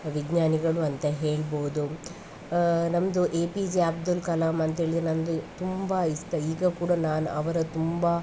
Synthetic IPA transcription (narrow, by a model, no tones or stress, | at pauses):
ʋiɡɲaːniɡɐɭuɐnt̪ɐɦe̞ːɭboːd̪u | nɐmɐd̪uʔeːpid͡ʒeab̚d̪ulkɐlaːmɐnt̪ɐɦe̞ːɭid̪ɾenɐmd̪ut̪umbɐist̪ɐiːɡɐkuːɽɐnaːnuʔɐʋɐɾɐt̪umbɐ